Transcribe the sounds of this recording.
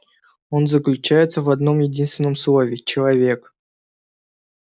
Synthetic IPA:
o̞nzəklʲʉt͡ɕæjɪt̪səvɐd̪no̞mjɪdʲinst̪ʲɪnəmslˠo̞vʲɪt͡ɕɪlˠɐvʲe̞k

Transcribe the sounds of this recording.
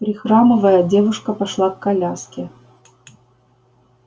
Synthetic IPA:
pɾʲɪxɾamɨvəjədʲevʊʂkɐpaʂlˠakkːalʲaskʲɪ

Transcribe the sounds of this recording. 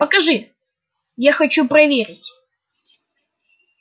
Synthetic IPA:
pəkɐʐɨ | jaxɐt͡ɕupɾɐvʲeɾʲɪtʲ

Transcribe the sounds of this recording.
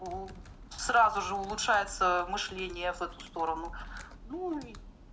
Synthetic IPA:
srazʊʐɨʊlˠʊtʂajɪt̪səmɨʂlʲenʲɪjəvɛt̪ʊ̥st̪o̞ɾənʊ | nui

